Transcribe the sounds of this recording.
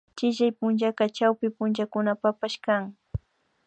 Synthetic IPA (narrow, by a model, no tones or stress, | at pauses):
t͡ʃɪʃajpʊnʒakɑt͡ʃawpɪpʊnt͡ʃakʊnapapaʃkaŋ